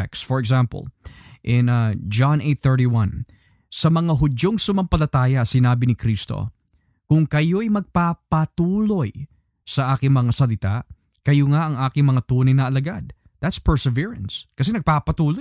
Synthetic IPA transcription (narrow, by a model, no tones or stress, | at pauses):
ɛksfɔɹɛɡzampɐ̰lʔɪnɐd͡ʒanʔejt̪θɛɹɾiwɐ̃n | sɐmɐŋaɦʊd͡ʒo̞ŋsʊmɐmpɐlɐt̪aːjɐsɪnaːbɪnɪkɾist̪o̰ | kʊŋkɐjo̞ɐjmɐɡ̚paːpɐt̪uːlo̞j | sɐʔaːkɪŋmɐŋasɐlɪt̪a̰ʔ | kɐjoŋaʔɐŋʔaːkɪŋmɐŋat̪uːnɐjnɐɐlɐɡad̪̚ | d̪̥at̪spɛɹsɛviɹɐnskɐsɛnɐɡ̚papɐt̪uːloj